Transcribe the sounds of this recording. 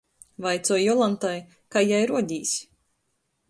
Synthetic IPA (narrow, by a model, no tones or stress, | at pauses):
vajt̪sɔjjɔlˠant̪aj | kajajɾuɔɟʲiːsʲ